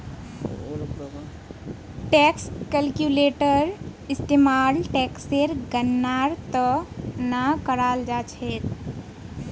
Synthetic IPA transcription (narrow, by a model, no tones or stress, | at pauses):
ʈɛːkskəlkjuleːʈəɾɪst̪eːmaːlʈɛːkseɾɡənːaːɾt̪ənakəɾaːld͡ʒaːt͡ʃʰeːt̪